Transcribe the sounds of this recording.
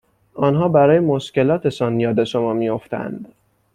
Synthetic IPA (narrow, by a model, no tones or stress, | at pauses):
ɒnɦɒːbæɾɒːjemo̞ʃce̞lɒːt̪ʰe̞sɒnjɒːd̪e̞ʃo̞mɒːmijo̞ft̪æ̰nd̪̥